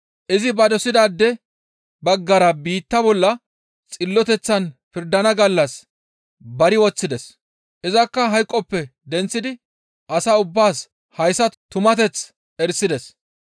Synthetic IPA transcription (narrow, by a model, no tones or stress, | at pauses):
ʔɪzɪbɐd̪ɔsɪd̪aːd̪ːɛ | bɐɡːɐɾɐbiːt̪ːɐbɔlːɐ | t͡sʼɪlːɔt̪ɛt͡sːɐnpɪɾd̪ɐnɐɡɐlːɐs | bɐɾɪwɔt͡sːɪd̪ɛs | ʔɪzɐkːɐɦɐjkʼːɔpːɛd̪ɛnt͡sːɪd̪ɪ | ʔɐsaːʊbːaːs | hɐjsɐt̪ʊmɐt̪ɛt͡s | ɛɾsɪd̪ɛs